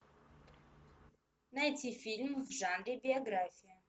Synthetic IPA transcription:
najtʰifilmvʒandebioɡɾaːfijɐ

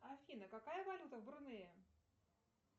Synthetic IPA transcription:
ɐfʲinəkakajəvɐlʲut̪əvbɾɨnɨjə

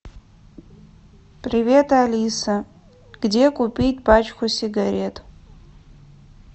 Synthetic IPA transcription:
pʼrivʲe̞talʲisa | ɡ̥de̞kʷʼupʲʼijtʼpat͡ʃʼkʰʷʊsʲiɡaɾʲe̞tʼ

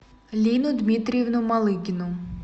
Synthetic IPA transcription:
lʲinʊd̪mʲit̪ɾʲjewnʊmɐlˠɪɡʲɪnʊ

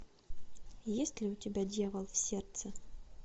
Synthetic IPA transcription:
jesʲtʲlʲɪʊtʲɪbʲadʲjavəlˠfsʲert̪sə

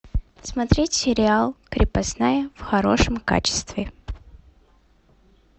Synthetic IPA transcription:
smɐt̪ɾʲetʲsʲɪɾʲɪalˠkɾʲɪpɐsnajəfxɐɾo̞̰ʂəmka̰t͡ɕɪ̥st̪vʲɪ

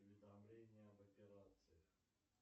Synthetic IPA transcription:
ʊvʲɪd̪amlʲenʲɪjəvɐpʲɪɾat̪sɨjɪ

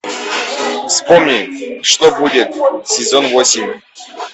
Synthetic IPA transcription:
fspomnʲiʂt̪obudʲet̪̚sʲɪzonvosʲimʲ

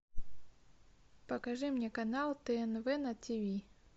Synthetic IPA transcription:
pɐkaʐɨmnʲɛkanalˠt̪ɛɛnvɛnɐt̪ʲivʲi

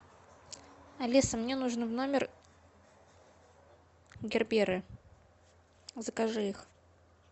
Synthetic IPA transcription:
ɐlʲisəmnʲenuʐnvno̞mʲɪr | ɡʲɪrbʲeɾɨ | zəkɐʐɨix

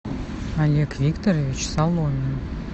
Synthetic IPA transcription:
alʲekvʲikt̪orʲovʲit͡ɕsalˠomʲin

